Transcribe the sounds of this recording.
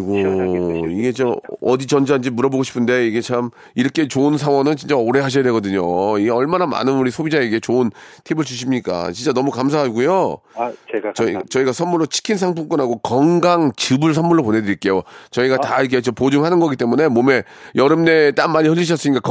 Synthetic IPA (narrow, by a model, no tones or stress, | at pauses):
ɡo | iɡe̞t͡ɕomʌdit͡ɕʌnd͡ʑand͡ʑimuɾʌboɡoɕʰi̥pʰɯnde̞iɡe̞t͡ɕʰam | iɾʌkʰe̞t͡ɕoɯns̬ʰaŋwʌnɯnt͡ɕint͡ɕ͈aoɾe̞ɦaɕ̬ʰʌjadwe̞ɡʌdɯɲoiɡe̞ʌɭmanama̰nɯnuɾisʰobid͡ʑaeiɡe̞t͡ɕoɯntʰibɯɭt͡ɕuɕʰimɲik͈a̰t͡ɕint͡ɕ͈anʌmukams̬ʰaɦaɡujo | t͡ɕʌt͡ɕʌiɡasʰʌnmuɭːot͡ɕʰi̥kʰinsʰaŋpʰoŋk͈ʌnɦaɡokʌŋɡaŋt͡ɕɯbɯɭs̬ʰʌnmuɭːopone̞dɯɾiɭk͈e̞jot͡ɕʌiɡataikʰe̞t͡ɕompod͡ʑuŋɦanɯnɡʌɡit͈e̞mune̞mome̞ | jʌɾɯmne̞t͈anmaɲihɯʎːiɕ̬ʰʌs͈ɯɲik͈ak